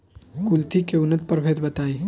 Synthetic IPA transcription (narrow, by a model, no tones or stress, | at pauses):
kult̪ʰikeunət̪̚pəɾbʱet̪bət̪ai